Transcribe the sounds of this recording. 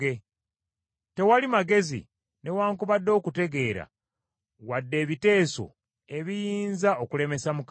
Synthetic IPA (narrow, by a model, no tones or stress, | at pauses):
e | te̞walimaɡe̞zḭ | ne̞waːŋkuβadːo̞ːkute̞ɡe̞ːɾa̰ | wadːe̞ːβite̞ːso̞̰ | e̞βijiːnzao̞kule̞me̞samuk